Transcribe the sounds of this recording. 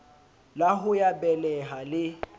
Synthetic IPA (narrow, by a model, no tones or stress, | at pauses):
laɦʊjabɛlɛɦalɪ